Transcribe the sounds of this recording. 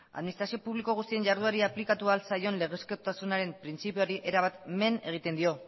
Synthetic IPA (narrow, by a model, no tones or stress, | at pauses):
a̰ðminist̪ɾasio̞puβliko̞ɣ̞ust̪ie̞nʝaɾðuaɾiaplikat̪ualsajo̞nle̞ɣeskot̪asunaɾe̞mpɾint͡sipio̞ɾiʔe̞ɾaβat̪me̞ne̞ɣ̞it̪e̞nd̪io̞